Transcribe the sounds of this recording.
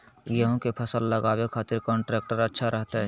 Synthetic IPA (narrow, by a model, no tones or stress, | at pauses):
jəɦõkepʰəsəlːəɡaːwekʰaːt̪ɪɾkɔ̃ːɳʈɾeːkʈəɾətːʃʰaɾʔəɦt̪aɦɛː